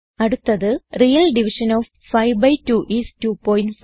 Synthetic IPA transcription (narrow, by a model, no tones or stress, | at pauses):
ɐɽut̪ːɐðɨrijɐlɖiʋiʂɐnoːʋ | fɐjʋbɐjtuʔistuːpoːjnɖf